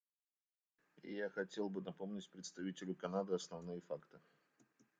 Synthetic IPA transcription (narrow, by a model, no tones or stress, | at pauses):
ɪ̰jaxɐtʲe̞lˠbɨnɐpo̞mnʲɪtʲpɾʲɪt̪st̪ɐvʲitʲɪlʲʊkɐnad̪ɨɐsnɐvnɨjəfakt̪ɨ